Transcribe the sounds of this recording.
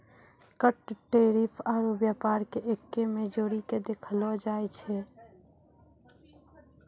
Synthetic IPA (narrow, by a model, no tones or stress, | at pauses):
kəʈʈeɾipʰaɾobjapaɾkeʔekːemed͡ʒoːɾiked̪ekʰəlɔd͡ʒaɛt͡ʃʰɛ